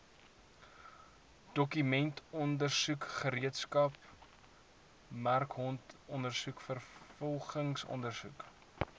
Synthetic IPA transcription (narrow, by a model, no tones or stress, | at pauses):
d̥ɔkymɛntʰɔndərsukχəɾiətskɐp | mærkɦɔntɔndərsukfərfɔlˠχəŋsɔ̰ndərsuk